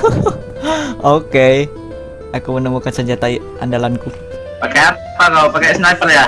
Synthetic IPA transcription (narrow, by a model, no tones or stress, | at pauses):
oke | akumənəmukansəɲd͡ʒat̪ai | ʔa̰ndalanku | pakaja | pakapakajsnapəlja